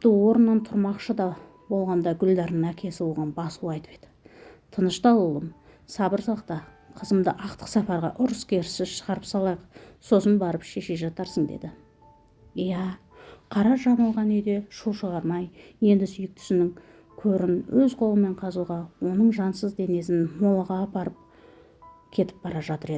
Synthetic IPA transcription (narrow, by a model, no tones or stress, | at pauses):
pt̪ɪwo̞ɾənːɑnt̪ʰʊɾmɑqʃəd̪ɑ | bo̞lˠʁɑnd̪ɑɡʲʏld̪ɑɾnəŋækʲʰe̞sɪwoʁɑnbɑsuɑjt̪əpe̞d̪ɪ̥t̪ʰənəʃt̪ɑlˠulˠəm | sɑbəɾsɑqt̪ɑ | qʰəzəmd̪əʔɑq̚t̪ə̥qsæpɑɾʁɑ̰ʔʊɾəskʲʰe̞ɾɪsɪʃəʁɑɾəpsɑlˠɑjəqso̞sənbɑɾəpʃe̞ʃe̞ʒɑt̪ɑɾsəɴd̪e̞̰d̪ɪ | ijæ | qʰɑɾɑʒɑmɑlˠʁɑnʏjd̪e̞ʃuʃəʁɑɾmɑjje̞nd̪ɪsʏjɪk̚t̪ʰʏ̥sɪnɪŋ | kʲʰɵɾɪnwɵzqʰo̞lˠəmːe̞ɴqʰɑzuʁɑwo̞nəɴʒɑnsəzd̪e̞ne̞sɪnmo̞lˠəʁɑpɑɾəp̚ | kʲʰe̞t̪ɪ̥p̚bɑɾɑʒɑt̪əɾe̞